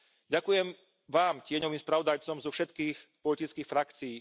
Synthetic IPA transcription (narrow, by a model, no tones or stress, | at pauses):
ɟakujɛm | ʋaːmcɪɛɲɔʋiːmspɾaʋɔd̪ajt͡sɔmzɔfʃɛt̪kiːxpɔlit̪it͡skiːxfɾakt͡siː